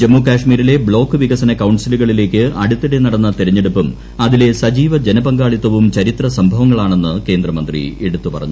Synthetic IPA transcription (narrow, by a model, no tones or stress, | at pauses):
d͡ʑemːuːkaːʂmiːɾile̞bɭo̞ːkːɨʋiɣɐsɐnɐkɐwɳsiluɣɐɭile̞ːkʲːɨɐɽut̪ːeɽenɐɽɐnːɐt̪iɾɐɲːe̞ɽupːum | ɐðile̞sɐd͡ʑiːʋɐd͡ʑe̞nɐbɐŋɡaːɭit̪ːɐʋumt͡ɕɐɾit̪rɐsɐmbʱɐʋɐŋːɐɭaːɳe̞nːɨke̞ːnd̪rɐmɐnd̪rḭeɽut̪ːupɐ̰rɐ̰ɲːu